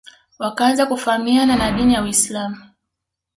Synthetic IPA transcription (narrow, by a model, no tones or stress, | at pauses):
wakaanzakufaamiananaɗinijawislamu